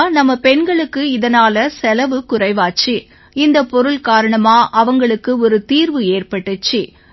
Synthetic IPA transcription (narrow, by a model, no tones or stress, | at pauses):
nɐmːɐpɛɳɡɐɭɯkːɯɪðɐnaːlɐsɛlɐʋɯkʊrɐɪʋaːt͡ʃːi | ɪnd̪ɐpɔɾɯɭkaːɾɐɳɐmaːʔɐʋɐŋɡɐɭɯkːɯɔɾɯt̪iːɾʋɯeːrpɐʈːɯt͡ʃːi